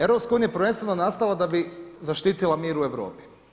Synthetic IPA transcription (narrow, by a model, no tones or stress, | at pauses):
evɾo̞pskauːnijapɾʋenst̪ʋenonast̪alˠad̪abizaʃt̪iːt̪ilˠamiːɾueʋɾo̰ːpi̥